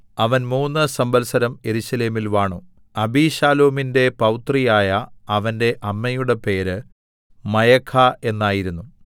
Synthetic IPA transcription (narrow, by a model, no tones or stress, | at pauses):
ɐʋɐnmuːnːɨsɐmbɐlsɐɾɐme̞ɾuɕɐle̞ːmilʋaːɳu | ɐbiːɕaːloːminde̞pɐwt̪rijaːjɐːʋɐnde̞ʔɐmːɐjuɽe̞pe̞ːɾɨ | mɐjɐkʰːae̞nːaːjiɾunːu